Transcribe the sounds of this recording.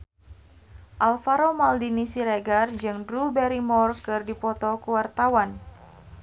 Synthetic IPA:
ʔalfaɾomaldinisiɾeɡard͡ʒɨŋdɾubɛɾimɔrkɨrdipɔt̪ɔkuwart̪awan

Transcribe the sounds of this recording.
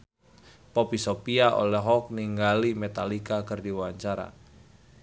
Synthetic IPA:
pɔpisopiaʔo̰lɛɦɔk̚niŋɡalimɛt̪alikakɨrdiwaɲt͡ʃaɾa̰

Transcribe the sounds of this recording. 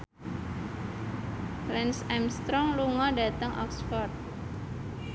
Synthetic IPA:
lɛnsɛmst̪ɾɔŋluŋɔɖat̪əŋʔɔ̰ksfɔrd̪̚

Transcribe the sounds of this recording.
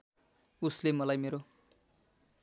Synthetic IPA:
uslemʌlajmeɾo

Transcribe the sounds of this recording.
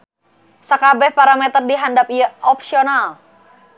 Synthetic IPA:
sakabɛhpaɾamɛt̪ərdiɦandapijaɔpsiɔnal

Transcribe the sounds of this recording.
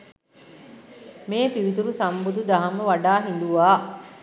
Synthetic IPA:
meːpiʋit̪̬uɾusɐmbud̪ud̪aɦɐməʋaɖaːɦind̪uʋaː

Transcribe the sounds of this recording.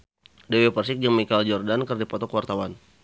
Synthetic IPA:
dewepərsɪk̚d͡ʒəŋmikald͡ʒɔrdankərdipɔt̪ɔkəwart̪awan

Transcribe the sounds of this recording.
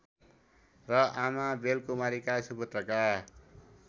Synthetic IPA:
rʌamabelkumaɾikasubʌt̪rʌka

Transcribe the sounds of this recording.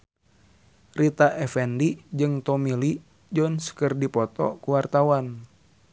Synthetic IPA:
rit̪aʔɛfɛndid͡ʒɨŋt̪ɔmili | d͡ʒɔnskɨrdipɔt̪ɔ̰kuwart̪awan

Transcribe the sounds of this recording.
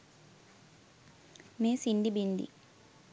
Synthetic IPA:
meːsiɳɖibind̪ḭ

